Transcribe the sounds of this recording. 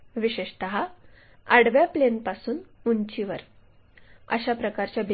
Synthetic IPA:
ʋiɕeʂt̪əɦa | əɽʋjaplenpasuːnuɲt͡ɕiʋəɾ | ə̰ɕapɾəkaɾt͡ɕjabi

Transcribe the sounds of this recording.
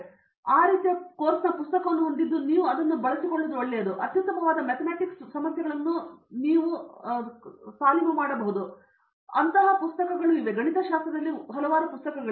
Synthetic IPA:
aːɾiːt̪ijɐkoːɾsɐpust̪ɐkɐʋɐnːuɦond̪id̪ːuniːʋuɐd̪ɐnːubɐɭɐsikoɭːud̪uoɭːɛjɐd̪uʔɐt̪jɐt̪ːɐmɐʋaːd̪ɐmet̪ʰɐmaːʈiksɐmɐsjɐɡɐɭɐnːuniːʋu | saːlimɐmaːɽɐbɐɦud̪u | ɐnt̪ɐɦapust̪ɐkɐɡɐɭuiʋeɡɐɳit̪ʰɐʃaːst̪ɾɐd̪ɐlːiɦɐlɐʋaːɾupust̪ɐkɐɡɐɭ

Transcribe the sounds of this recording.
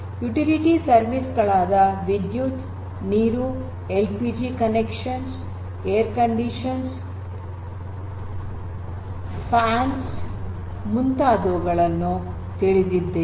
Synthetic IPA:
juʈiliʈisɐɾʋisɡɐɭaːd̪ɐʋid̪jut | niːɾu | elpiːd͡ʒikɐnekʂɐns | ejɐɾkɐɳɖiʃɐns | pʰaːns | munt̪aːd̪oːɡɐɭɐnːu | t̪iɭid̪id̪ːe

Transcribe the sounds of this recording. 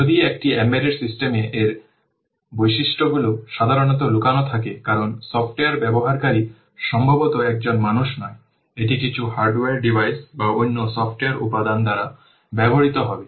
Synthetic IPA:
od̪iekʈiɛmeɾeɾsisʈemeʔeɾ | bojʃiʃʈoɡuloʃad̪ʱaɾonɔt̪̬olukanot̪ʰakekaɾonsɔfʈeaɾbɛboɦaɾkaɾi | ʃɔmbʱabot̪oɛk̚d͡ʑonmanuʃnɔe | eʈ̬ikit͡ɕʰuhaɾɖweaɾɖibʱajsbaojnːosɔfʈeaɾṵpad̪ʱand̪aɾa | bɛbʱoɾit̪oɦɔbe

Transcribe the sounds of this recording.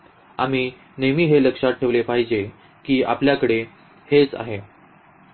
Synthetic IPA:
a̰m̤iː | nemiːɦeləkʂaʈʰːeʋlepaɦid͡ʑe | kiːa̰pljakəɽe | het͡sa̰ɦe

